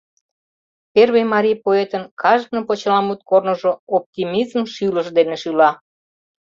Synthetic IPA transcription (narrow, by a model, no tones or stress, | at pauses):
perβejmɑɾʲijpoet̪ənkʰɑʒk̪̚nəpot͡ɕəlɑmut̪kornəʒoop̚t̪ʲimizmʃyləʒd̪eneʃylɑ